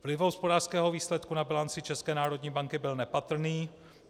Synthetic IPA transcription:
vlɪvɦospodaːr̥skɛːɦoviːslɛt̪kunabɪlant͡sɪt͡ʃɛskɛːnaːɾo̞dɲiːbaŋkɪbɪlnɛpat̪r̩niː

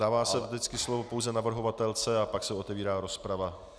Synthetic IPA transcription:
daːvaːsɛvdɪt͡skɪslo̞vo̞po̞wzɛnavr̩ɦo̞vat̪ɛlt͡sɛapaksɛo̞t̪ɛviːɾaːɾo̞spɾava

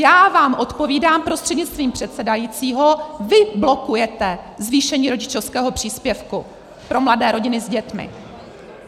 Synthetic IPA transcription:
jaːvaːmʔo̞t̪po̞viːdaːmpɾo̞st̪r̥ɛdɲɪt͡st̪viːmpr̥ɛt̪sɛdajiːt͡siːɦovɪblo̞kujɛt̪ɛzviːʃɛɲiːɾo̞ɟɪt͡ʃofskɛːɦo̞pr̝̥iːspjɛfku | pɾo̞mladɛːɾo̞ɟɪnɪzɟɛt̪mɪ̰

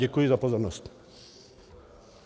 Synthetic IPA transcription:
ɛkujizapozɔɾnɔst̪

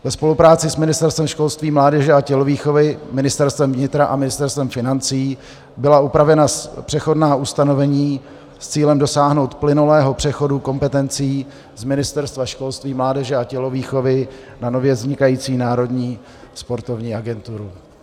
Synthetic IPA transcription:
vɛspo̞lupɾaːt͡sɪsmɪnɪst̪ɛɾst̪vɛmʃko̞lst̪viːmlaːdɛʒɛacɛloviːxo̞vɪmɪnɪst̪ɛɾst̪vɛmvɲɪt̪ɾaʔamɪnɪst̪ɛɾst̪vɛmfɪnant͡siː | bɪlaupɾavɛnapr̝̥ɛxo̞dnaːʔust̪ano̞vɛɲiː | st͡siːlɛmdo̞saːɦno̞wt̪plɪnulɛːɦo̞pr̥ɛxo̞duko̞mpɛt̪ɛnt͡siː | zmɪnɪst̪ɛɾst̪vaʃko̞lst̪viːmlaːdɛʒɛacɛloviːxo̞vɪ | nano̞vjɛzɲɪkajiːt͡siːnaːɾo̞dɲiː | spo̞ɾt̪o̞vɲiːaɡɛnt̪uɾu

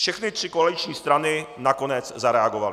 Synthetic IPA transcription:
fʃɛxnɪt̪r̥ɪkoalɪt͡ʃɲiːst̪ɾanɪnako̞nɛt͡szaɾɛaɡovalɪ

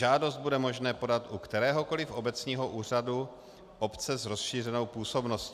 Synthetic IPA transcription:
ʒaːdo̞zd̪̚budɛmo̞ʒnɛːpo̞dat̪ʔukt̪ɛɾɛːɦo̞ko̞lɪfʔo̞bɛt͡sɲiːɦo̞ʔuːr̝adu | ʔo̞pt͡sɛzɾo̞sʃiːr̝ɛno̞wpuːso̞bnosc

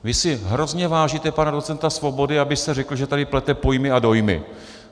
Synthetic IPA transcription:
vɪsɪɦɾo̞zɲɛvaːʒit̪ɛpanado̞t͡sɛnt̪asvo̞bo̞dɪabɪst̪ɛrɛkl̩ʒɛt̪adɪplɛt̪ɛpo̞jmɪado̞jmɪ̰

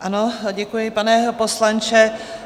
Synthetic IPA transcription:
ʔanoɟɛkujɪpanɛposlant͡ʃɛ

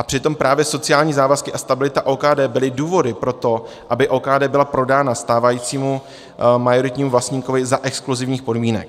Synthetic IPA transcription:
ʔapr̝̥ɪt̪o̞mpɾaːvjɛso̞t͡sɪaːlɲiːzaːvaskɪʔast̪abɪlɪt̪aʔoːkaːdɛːbɪlɪduːvo̞dɪpɾo̞t̪o̞ | ʔabɪʔoːkaːdɛːbɪlapɾo̞daːnast̪aːvajiːt͡siːmu | majo̞ɾɪt̪ɲiːmuvlast̪ɲiko̞vɪzaʔɛkskluzɪvɲiːxpo̞dmiːnɛ̰k̚

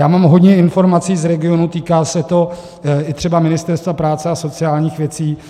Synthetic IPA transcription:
jaːmaːmɦo̞d̪ɲɛɪnfo̞ɾmat͡siːzɾɛɡɪo̞nut̪iːkaːsɛt̪o̞ | ɪt̪r̥ɛbamɪnɪst̪ɛɾst̪vapɾaːt͡sɛaso̞t͡sɪaːlɲiːxvjɛt͡siː

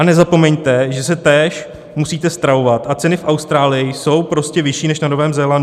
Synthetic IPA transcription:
anɛzapo̞mɛɲt̪ɛʒɛsɛt̪ɛːʃ | musiːt̪ɛst̪ɾaovat̪ʔat͡sɛnɪfʔawst̪ɾaːlɪjɪso̞wpɾo̞scɛvɪʃiːnɛʃnanovɛːmzɛlan

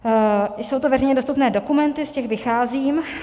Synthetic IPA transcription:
sowt̪ovɛrɛjɲɛdo̞st̪upnɛːdokumɛnt̪ɪscɛxvɪxaːziːm

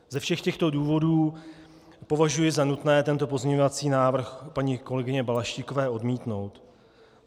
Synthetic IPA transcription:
zɛfʃɛxcɛxt̪o̞duːvo̞duː | po̞vaʒujɪzanut̪nɛːt̪ɛnt̪o̞p̬o̞zmɲɛɲo̞vat͡siːnaːvr̩xpaɲɪko̞lɛɡɪɲɛbalaʃciko̞vɛːʔo̞dmiːt̪no̞wt̪

